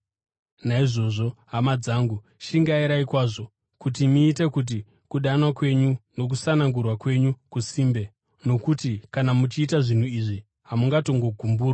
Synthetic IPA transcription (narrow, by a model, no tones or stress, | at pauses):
naiʐo̞ʐo̞ɦamad͡zaːŋɡu | ʃiŋɡaiɾaikwaːʐo̞ | kutimiːte̞kut̬i | kuɗanwakwe̞ɲuno̞k̬usanaŋɡurwakwe̞ɲukusiːmbe̞ | no̞kutikanamut͡ʃiːtaʐin̤uiʐi | ɦamuŋɡato̞ŋɡo̞ɡʱumbuːra